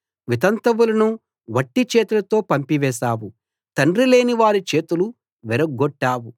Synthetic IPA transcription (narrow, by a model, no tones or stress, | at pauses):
ʋit̪ɐnt̪ɐʋulɐnu | ʋɐʈːit͡ʃeːt̪ulɐt̪o̞ːpɐmpiʋɛːʃaːwu | t̪ɐɳrile̞ːniʋaːɾit͡ʃe̞ːt̪ulu | ʋɛɾɐɡːɔʈːaːwu